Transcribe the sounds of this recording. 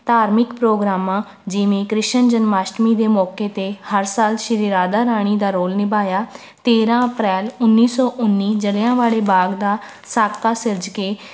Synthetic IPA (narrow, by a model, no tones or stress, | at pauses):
t̪aːɾmɪkpɾoːɡɾaːmãː | d͡ʒɪʋẽːkɾɪʃənd͡ʒənmaːʃʈmiːd̪eːmɔːkeːt̪eːhəɾsaːlʃɪɾiːɾaːd̪aːɾaːɽ̃iːd̪aːɾoːlnɪbaːjaː | t̪eːɾãːəpɾɛːlʊnːiːsɔːʔʊnːiːd͡ʒəlːãːʋaːɭeːbaːɡd̪aː | saːkaːsɪɾd͡ʒkeː